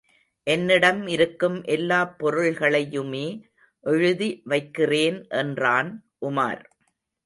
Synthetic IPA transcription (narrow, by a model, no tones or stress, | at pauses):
ʔɛnːɪɽɐmɪɾɯkːɯmʔɛlːaːpːɔɾɯɭɣɐɭɐjɯmeː | ʔɛɻɯðiʋɐɪkːɪreːnʔɛndraːnʔʊma̰ːɾ